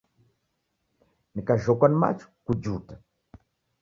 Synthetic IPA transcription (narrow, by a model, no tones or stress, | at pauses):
nikaʒɔkwanima̰t͡ʃu̥kud͡ʒuːtḁ